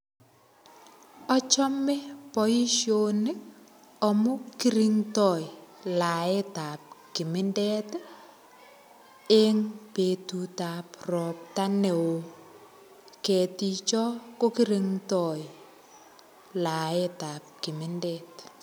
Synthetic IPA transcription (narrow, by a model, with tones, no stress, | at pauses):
ɔ˦t͡ʃɔ˦mɛ˦pɔ˨i˦ʃjonɪ˦ | ɔ˨mʊ˦kiɾi˦ŋtɔ˨jla˨e˦ta˨p̚ki˨mɪ˦ndɛ˦t | e˦ŋpe˨tu˨ta˨prɔ˨p̚ta˦ne˨wo˨ | kɛ˨ti˨t͡ʃɔ˦ko˦ki˦ɾi˨ŋtɔj | la˨e˦ta˨p̚ki˨mɪ˦ndɛ˦t